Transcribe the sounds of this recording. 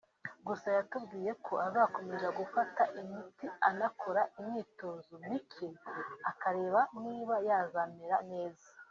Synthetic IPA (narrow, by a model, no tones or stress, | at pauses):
ɡusajatubɡiːje̞kʰo̞ʔazaːko̞me̞ʒaɡufataʔimitianakʰo̞ɾaimɲiːto̞ːzomikʰeakaɾe̞ːβaniːβajaːzameɾane̞ːzḁ